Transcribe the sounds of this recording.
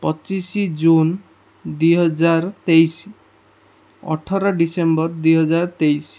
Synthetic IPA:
pɔt͡ʃisid͡ʒun | d̪ujɦɔd͡ʒaɾɔt̪ejsi | ɔ̰ʈʰɔɾɔɖisembɔɾd̪ujɦɔd͡ʒaɾɔt̪ejs

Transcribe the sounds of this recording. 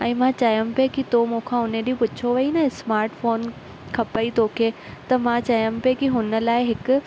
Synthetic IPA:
ɛ̃ːmãt͡ɕɐjəmɪpekit̪omũːkʰãːɦʊneɗĩpʊt͡ɕʰoʋɐinaɪsmaːɾʈfoːn | kʰɐpəit̪ʰokʰe | t̪ɐmãt͡ɕɐjəmɪ̆pekiɦʊnə̆laːɪɦɪkʊ

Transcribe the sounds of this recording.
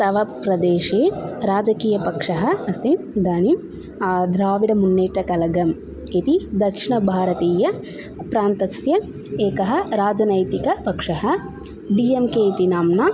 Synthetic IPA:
sɐʋɐpɾɐd̪eːʃeːɾaːd͡ʒɐkiːjɐpɐkʂɐɦɐ̆ɐst̪in | d̪aːni | d̪ɾaːʋiɽɐmunːeːʈːɐkɐlɐɡɐm | it̪id̪ɐkʂiɳɐbʱaːɾɐt̪iːjɐ | pɾaːnt̪ɐsjɐ | eːkɐɦɐ̆ɾaːd͡ʒɐnɐjt̪ikɐpɐkʂɐɦɐ̆ | ɖiːemkeːit̪inaːmnaː

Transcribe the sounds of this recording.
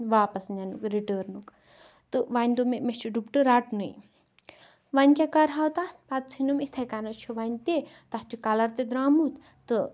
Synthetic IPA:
ʋaːpɐsnanukɾiʈəːɾnuk | t̪ɨʋanʲd̪omemet͡ʃʰuɖupʈɨɾaːʈnɨj | ʋanʲkʲakɐɾɦawt̪at̪ʰpat̪̚t͡sʰinumit̪ʰɐkanɐt͡ʃʰuʋanʲt̪e | t̪ɐht͡ʃʰukɐlɐɾt̪ed̪ɾaːmut̪ | t̪ɨ

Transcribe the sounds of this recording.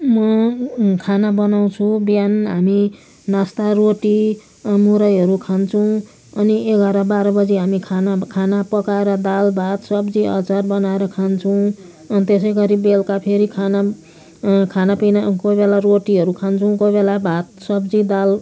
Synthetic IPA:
mʌ | kʰanabʌnaw̃t͡sʰubjanɦami | nast̪aroʈi | muɾʌjʌɾukʰant͡sʰʌw̃ | ʌnieɡʌɾabaɾʌbʌd͡ziɦamikʰanakʰanapʌkaeɾʌd̪albʱat̪sʌbd͡ziʌ̰t͡sarbʌnaeɾʌkʰant͡sʰuw̃ | t̪es̬ʌjɡʌɾibelkapʰeɾikʰana | kʰanapinakobelaroʈiɦʌɾukʰant͡sʰʌw̃kobelabʱat̪̚sʌbd͡zid̪al

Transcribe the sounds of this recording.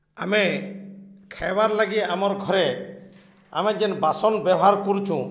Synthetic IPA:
a̰me | kʰabaɾlaɡiamaɾɡʱɔɾɛ | a̰mɛd͡ʒɛnbasɔnbjɛɔɦaɾkɔɾt͡ʃʰũ

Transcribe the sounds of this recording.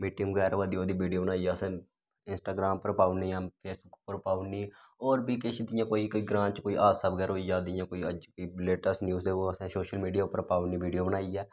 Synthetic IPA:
miːʈːɪmkɛːɾʋaːd̪ioːd̪iʋiːɖijoːbənaːiɛːəsɛ̃ː | ɪnsʈaːɡɾaːmpəɾpaːʊniːãːpʰeːsbʊkpəɾpaːunĩː | ɔːɾbiːkeʃd̪ɪjãːkoːikoːiɡɾãːt͡ʃkoːiʔaːsəbkəɾoːijaːd̪ɪjãːkoːiəd͡ʒkoileːʈəsʈnjuːzd̪eːoəsɛ̃soːʃəlmiːɖijaːʊpːəɾpaːʊnĩːʋiːɖijoːbənaːiɛː

